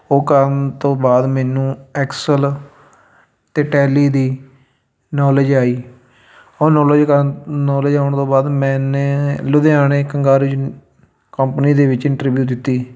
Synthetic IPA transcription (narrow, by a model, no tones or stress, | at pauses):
oːkəɾnt̪õːbaːd̪mɛːnũːɛːksəl | t̪eːʈɛːliːd̪iː | nɔːlɪd͡ʒaːiː | oːnɔːləd͡ʒkənɔːled͡ʒaːʊɳt̪õːbaːd̪mɛ̃ːneːlʊd̪eːaːneːkəŋɡaːɾud͡ʒ | kəmpniːd̪eːʋɪt͡ʃɪ̃ɳʈɾbjuːd̪ɪt̪ːiː